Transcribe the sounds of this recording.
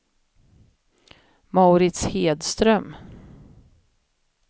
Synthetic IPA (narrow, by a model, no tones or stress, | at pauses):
maʊɾɪt̪sheːd̪st̪ɾœm